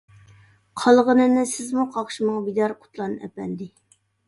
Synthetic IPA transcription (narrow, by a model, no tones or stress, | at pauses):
qʰɑlˠʁənɨnɪsɪzmuqʰɑχʃimɑŋbid̪ɑɾqʰʊ̥t̪ʰlˠɑnɛ̰pɛnd̪ɪ